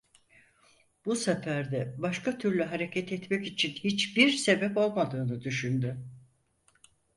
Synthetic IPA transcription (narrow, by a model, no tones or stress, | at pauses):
b̥usafæɾd̪ɛbaʃkat̪ʰyɾlʲyɦaɾe̞cʰɛt̪ʰɛt̪mɛcit͡ʃʰinhit͡ʃbiɾse̞bɛpo̞lˠmad̪ɯːnɯd̪yʃynd̪y